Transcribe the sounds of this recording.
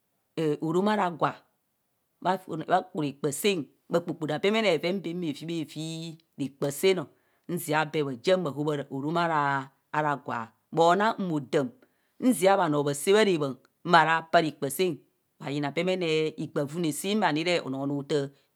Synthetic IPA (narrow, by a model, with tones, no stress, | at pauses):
e˨o˨ɾo˦ma˦ɾa˨ɡwa˨ | a˦˨˦a˦k͡pu˨ɾi˨k͡pə˨se˦n˦ | ba˨k͡pu˨k͡pu˨da˨be˦me˦ne˨ve˦m̩˦be˦e˨vi˦be˦˨vi˦ | ɾi˨k͡pə˨se˦no˨˦ | n̩˦zi˨a˦bɛ˨bə˨d͡ʒe˦m˦ba˨ɦo˦ba˦ɾo˨ɾo˦ma˦ɾaː˨˦ | ɾa˨ɡwa̰˨ | bo˨˦na˦m̩˦mo˨də˨m | n̩˦zi˨˦a˦βa˨no˨bə˨se˦βa˦ɾe˨bə˨ŋ | m̩˦ma˨ɾa˦pa˦ɾi˨k͡pə˨se˦n | ba˨ji˨na˨be˦me˦ne˨i˨k͡pa˨vu˦ne˨si˦m̩˦a˨ni˦ɾe˦o̰˨no˨˦no˦tə˦